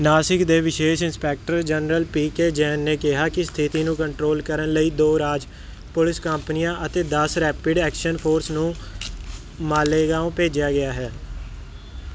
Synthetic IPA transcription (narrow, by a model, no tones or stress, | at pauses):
naːsɪkd̪eːʋɪʃeːʃɪnspɛːk̚ʈəɾd͡ʒənɾəlpiːkeːd͡ʒɛːnːeːkɪɦaːkɪst̪ʰɪt̪iːnũːkəɳʈɾoːlkəɾənləiːd̪oːɾaːd͡ʒ | pʊlɪskəmpnijãːʔət̪eːd̪əsɾɛːpɪɖɛːkʃənpʰoːɾsnũː | maːleːɡãːõːpeːd͡ʒjaːɡɪaːɦɛː